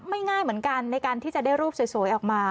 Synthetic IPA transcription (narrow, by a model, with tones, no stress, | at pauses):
ma˥˩jŋaː˥˩jmɯ˩˦ənka˧nːa˧jkaː˧nt̪ʰiː˥˩t͡ɕa˨˩daː˥˩jɾuː˥˩p̚suː˨˩˦jsu˨˩˦jʔɔː˨˩k̚maː˧